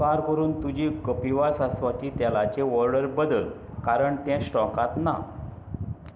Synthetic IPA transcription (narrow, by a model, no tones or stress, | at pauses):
aɾkəɾuːnt̪ud͡ʑikəpiʋasasʋat̪iːt̪jalat͡ɕeʋɔɾɖəɾbəd̪əl | kaɾəɳt̪ɛ̃sʈɔkat̪na̰